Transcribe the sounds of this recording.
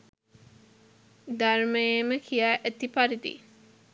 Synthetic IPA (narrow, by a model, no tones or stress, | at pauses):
d̪arməjeməkʰijaːʔæt̪ipaɾid̪ḭ